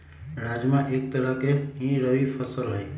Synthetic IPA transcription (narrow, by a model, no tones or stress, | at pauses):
ɾad͡ʒmãʔek̚t̪əɾəkeɦĩɾəʋipʰəsəlɦəj